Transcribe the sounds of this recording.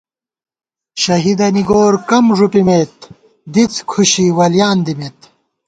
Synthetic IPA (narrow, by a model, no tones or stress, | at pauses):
ɕɐɦid̪ɐniɡoːɾkɐmʐupimeːt̪ | d̪it͡skʰuɕiwɐljaːnd̪imet̪